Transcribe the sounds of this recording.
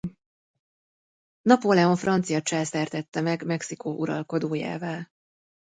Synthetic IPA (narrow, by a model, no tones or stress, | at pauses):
nɒpolɛo̞ɱfrʔɒnt̪sijɒt͡ʃaːlsɛrt̪ɛt̪ːɛmɛɡmɛksikoːʔuɾɒlko̞d̪oːja̰ːvɒl